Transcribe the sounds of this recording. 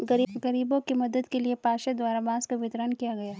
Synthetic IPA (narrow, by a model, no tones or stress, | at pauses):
ɡɐɡɐɾiːbõkimɐd̪əd̪keliepaːʃed̪waːɾabãːskaʋɪt̪ɾənkijaɡɐjaː